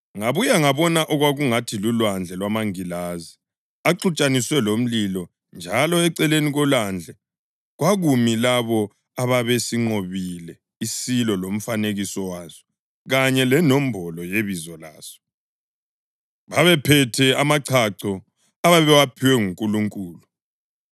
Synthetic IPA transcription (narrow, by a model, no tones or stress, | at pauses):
ŋaβujaŋaβɔnaʔɔɣwaɣuŋatʰilulwand͡ɮʱɛlwamaŋilazi | aǃut͡ʃʼaniswɛlom̩lilɔ | nd͡ʒʱalɔɛǀɛleniɣɔland͡ɮʱɛ | ɣwaɣumilaβɔ | aβaβesiŋ͡ǃoβilɛ | isilɔlom̩faneɣisɔwaːzɔ̥ | ɣaɲɛlɛnɔm̩bʱɔlɔjeβizɔlaːz̥ɔ̥ | βaβɛpʰɛtʰɛamaǀʰaǀɔ | aβaβɛwapʰiwɛŋuŋkʼuluŋkʼuːlu